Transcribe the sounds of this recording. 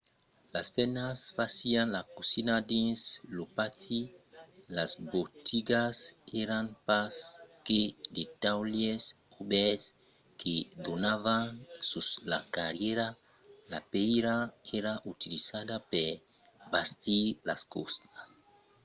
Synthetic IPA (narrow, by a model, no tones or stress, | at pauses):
laspɛnasfasianlakosinad̪ĩnslopat̪ʰi | lazbot̪ʰiɡasɛɾanpasked̪et̪awljes | obɛs | ked̪onavansusla̰kaɾjeɾa | lapɛjɾaɛɾaʔut̪ilizad̪apɛɾ | bast̪ilaskost̪as